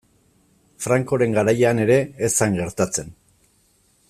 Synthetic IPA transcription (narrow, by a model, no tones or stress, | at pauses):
fɾaŋko̞ɾe̞ŋɡaɾajane̞ɾe̞ːsaŋɡe̞ɾt̪at͡se̞n